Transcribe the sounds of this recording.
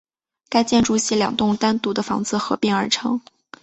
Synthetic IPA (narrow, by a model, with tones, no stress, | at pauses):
ka˥ɪt͡ɕjɛ˥˧nʈ͡ʂu˥˩ɕi˧˥ljɑ̰˨˩ŋt̪ʊ˥˧ŋt̪a˥nt̪u˧˥d̪ə˧fɑ̰˧˥ŋt͡sɹ̩˥˩xɤ˧˥pi˧˥ŋə˞˧˥ʈ͡ʂʰɤ˥ŋ